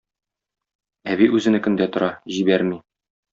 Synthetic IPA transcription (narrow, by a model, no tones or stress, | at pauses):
æβiʔʉzɘ̆nɘkɵ̆nd̪æt̪ŏɾɑʑibæɾmi